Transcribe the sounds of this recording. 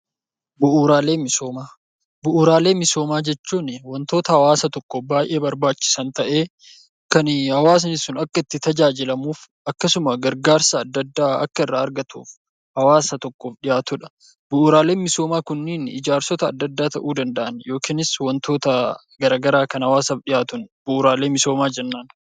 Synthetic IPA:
bʊʔuːɾaːle̞ːmɪsoːmaː | bʊʔuːɾaːle̞ːmɪso̞ːmaːd͡ʒɛt͡ʃːuːnwɔnt̪o̞ːt̪ɐhɐwaːsɐt̪ɔkːɔbaːjʔe̞ːbɐɾbaːt͡ʃːɪ̥sɐnt̪ɐʔe̞ː | kɐnhɐwaːs̬ɐnɪsʊnɐkːɐɪt̪ːɪt̪ɐd͡ʒaːd͡ʒɪlɐmuːf | ɐkːɐsʊmɐɡɐɾɡaːɾsɐːd̪ːɐd̪ːaːɐ̰kːɐɪrːaːɐɾɡɐt̪ṵːf | hɐwaːsɐt̪ɔkːofᶑɪjaːt̪ʊᶑɐ̥ | bʊʔːɾaːle̞ːnmɪso̞ːmaːkʊnːɪnɪ̰d͡ʒaːɾsɔt̪ɐːd̪ːɐd̪ːaːt̪ɐʔuːd̪ɐnd̪ɐʔɐnjo̞ːkiːnɪswɐnt̪ʰo̞ːt̪ɐ | ɡɐɾaːɡɐɾaːkɐnhɐwaːsɐfᶑɪjaːt̪ʊnbʊʔːɾaːle̞ːmɪso̞ːmaːd͡ʒɛnːaːn

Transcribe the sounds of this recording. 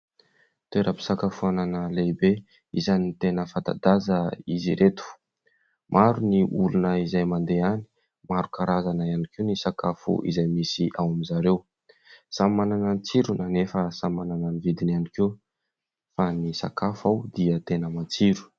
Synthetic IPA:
t̪eɾʔəpi̥sakafuananəlebe | ḭzanit̪enəfat̪a̰d̪azəiziɾet̪u̥ | mʔaɾuniʔulunəizajmand̪eani̥ | maɾukaɾazanaianikewnisakafṵʔḭzajmisiʔawamizaɾew | sammananant͡siɾunanefəsammanananivid̪inanikew | fanisa̰kafawd̪iət̪enəmat͡siɾu̥

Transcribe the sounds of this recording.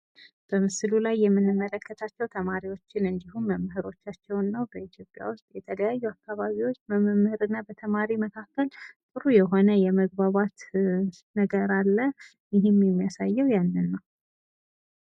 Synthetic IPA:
b̥əmɨsɨlulajːɛmːɨnːɨmːələkʰːət̪ʰat͡ʃːɛwt̪ʰəmaɾiwo̞t͡ʃːɪnɨnd̪iɦumːəmːɨɦɨɾo̞t͡ʃːat͡ʃːɛwnːəwbəit̪ʰjo̞pʼja̰wʊst̪jɛt̪ʰələjajːuakːaβaβiwot͡ʃːməmɨmːhɨɾɨnːabət̪ʰəmaɾiməkʰakːəlt̪ʼɨɾujɛɦo̞nəjɛməɡ̚baβat̪ | nəɡəɾalːə | jɪɦɪmːjɛmːijasajːɛwjanːɨnːəw

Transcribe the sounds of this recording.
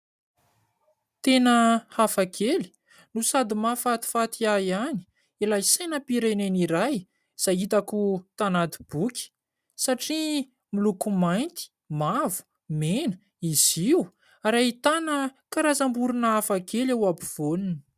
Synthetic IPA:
t̪enəhafakʰeli̥ | nusad̪imafat̪i̥fat̪iajani̥ | ilajsajnəpiɾeneniɾaj | z̥ajit̪akut̪anat̪i̥b̥ukʲi̥ | saʈ͡ʂi | milukumajnt̪i̥ | mavu̥ | menə̥ | iz̥iw | aɾait̪anəkaɾazambuɾunəafakelewabiv̥oninə̥

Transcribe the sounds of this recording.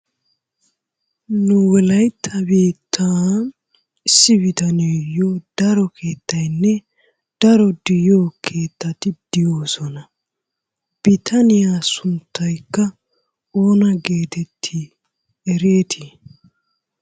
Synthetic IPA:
nʊwɛlɐjt̪ʰːɐbiːt̪ʰːaː | ɪsːɪbɪt̪ɐneːjod̪̥ɐɾɔkʰe̞ːt̪ːɐjnːɛ | d̪̥ɐɾɔd̪ɪjoːkʰe̞ːt̪ːɐt̪ɪd̪̥ɪjoːsɔnɐ | b̥ɪt̪ʰɐnɪjasʊnt̪ːɐjkːɐ | oːnɐɡe̞ːt̪ɛt̪ʰːi | ɛɾe̞ːt̪ʰɪ

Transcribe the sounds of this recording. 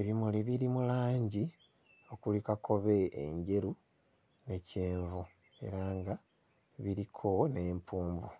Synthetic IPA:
eβimuliβiɾimulaːɲɟi | o̞kulikakʰo̞βe̞̰ːɲɟe̞ɾu | ne̞ceːɱvu | e̞̰ɾaŋɡa | βiɾikʰo̞ne̞ːmpʰuːmbu

